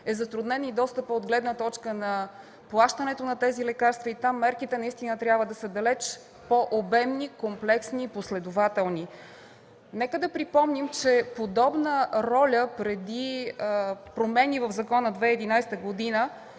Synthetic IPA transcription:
ɛzɐt̪ɾud̪nɛnid̪ɔst̪əpəod̪ɡlɛd̪nət̪ɔt͡ʃkənɐ | plˠaʃt̪ənɛt̪onɐt̪ɛzilɛkaɾst̪vəit̪amːɛɾkit̪ɛnɐist̪inət̪ɾʲjabvəd̪ɐsəd̪ɐlɛt͡ʃ | poʔobɛmnikomplɛksniːposlɛd̪ʊvat̪ɛlˠni | nɛkəd̪ɐpɾipɔmnimt͡ʃɛpod̪ɔbnəɾɔlʲəpɾɛd̪i | pɾomɛnivəvzɐkɔnəd̪vɛɛd̪inajsɛ̥t̪əɡod̪inə

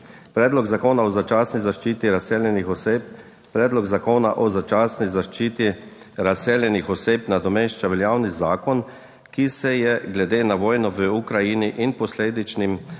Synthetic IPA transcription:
pɾɛːd̪lɔɡzakoːnaɔzat͡ʃaːsnizaʃt͡ʃiːt̪iɾaseːljɛnixɔsep̚ | pɾɛːd̪lɔɡzakoːna̰ʔɔzat͡ʃaːsnizaʃt͡ʃiːt̪i | ɾaseːljɛnixɔseːpnad̪ɔmeʃt͡ʃaʋɛljaːwnizaːkɔn | kisɛjɛɡlɛd̪eːnaʋɔːjnɔʋəukɾajiniʔinpɔsleːd̪it͡ʃnim

